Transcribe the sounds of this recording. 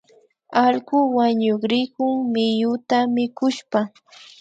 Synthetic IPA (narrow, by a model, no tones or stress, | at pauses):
alɢʊwaɲoχɾɪkʊŋmɪjʊt̪amɪkʊʃpa